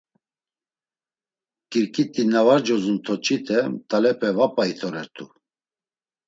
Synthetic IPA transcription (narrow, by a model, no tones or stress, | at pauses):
kiɾkʼit̪ʼinavaɾd͡ʒɔzunt̪ʰɔt͡ʃʰʼit̪ʰɛt̪ʼalɛpʰɛvapʼait̪ʰɔɾɛɾt̪ʰu